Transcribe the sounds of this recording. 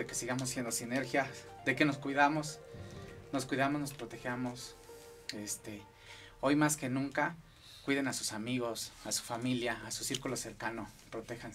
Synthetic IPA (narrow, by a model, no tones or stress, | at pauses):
ekesiɣamosːjend̪osineɾxjad̪ekenoskwiðamos | noskwiðamoznospɾot̪exjamos | est̪e | ojmaskenũŋka | kwiðenasusamiɣosasu̥familjaːsusiɾkuloseɾkanopɾot̪exan